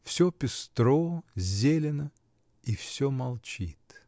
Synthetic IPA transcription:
fsʲopʲɪst̪ɾozʲelʲɪnə | ifsʲomɐlˠt͡ɕit̪

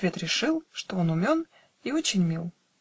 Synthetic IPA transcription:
vʲe̞t̪ɾʲɪʂɨlˠʂt̪oonʊmʲon | io̞t͡ɕɪnʲmʲilˠ

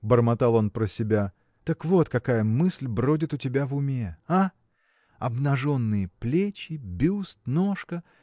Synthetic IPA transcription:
bərmɐt̪ɑlˠo̞npɾəsʲɪbʲa | t̪əkvo̞t̪kɐkajəmɨsʲlʲbɾo̞dʲɪt̪ʊtʲɪbʲavʊmʲea | ɐ̰bnɐʐo̞nːɨjəplʲet͡ɕɪbʲust̪noʂkə

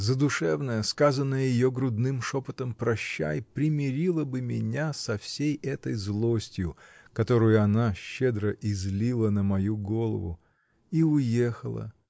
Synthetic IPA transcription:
zəd̪ʊʂɛvnəjəskazənːəjəjɪjo̞ɡɾʊd̪nɨmʂo̞pət̪əmpɾɐɕːæ̰jpɾʲɪmʲɪɾʲilˠəbɨmʲɪnʲasɐfsʲejɛt̪əjzlˠo̞sʲtʲjʊkɐt̪o̞ɾʊjʊɐnaɕːed̪ɾəʔɪzʲlʲilˠənəmɐjuɡo̞lˠə̰vʊ̰ | iʊjexəlˠə̰

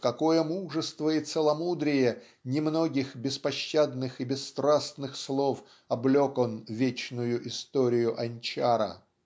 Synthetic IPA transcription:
kɐkojəmuʐəst̪vəɪt̪səlˠɐmud̪ɾʲɪjə | nʲɪmno̞ɡʲɪxbʲɪspɐɕːad̪nɨxɪbʲɪsːt̪ɾasnɨxslˠof | ɐblʲoko̞nvʲet͡ɕnʊjʊʔɪst̪oɾʲɪjʊʔɐnʲt͡ɕaɾə̰

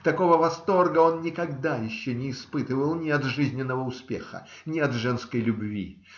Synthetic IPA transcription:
t̪ɐko̞vəvɐst̪o̞rɡəo̞nnʲɪkɐɡd̪ajɪɕːonʲɪːspɨt̪ɨvəlˠnʲɪɐt̪ʐɨzʲnʲɪnːəvəʊspʲḛxə̰ | nʲɪɐt̪ʐɛnskəjlʲʊbvʲḭ

